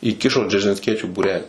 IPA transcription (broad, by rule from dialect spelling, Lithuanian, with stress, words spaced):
iːˈkʲɪʃoː d͡ʒʲɛrʲʒʲɪnʲsʲˈkʲiɛt͡ʃʲuː buːˈrʲæːlʲiː